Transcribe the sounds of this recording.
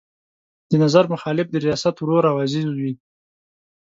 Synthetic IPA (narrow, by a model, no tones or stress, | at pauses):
d̪̥ənazaɾmʊxɑlɪfd̪əɾijɑsat̪wɾoɾawɑzizwi